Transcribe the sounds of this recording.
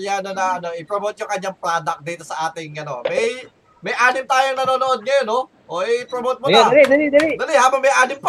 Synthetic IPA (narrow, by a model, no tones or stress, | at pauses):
ljaːnonɐʔɐno̞ʔɪpɾomot̪̚jʊŋkɐɲːaŋpɾaːd̪ɐk̚d̪iːt̪o̞sɐʔaːt̪ɪŋɐno̞̰mɐj | mɐjʔaːnɪmt̪aːjoŋnɐnoːno̞ʔod̪̚ŋɐjonːo̞ | ʔoʔɪpɾomot̪̚mʊj̪d̪ɐlid̪ɐlid̪ɐlid̪ɐlihaːbɐŋmɐjʔaːnɪmp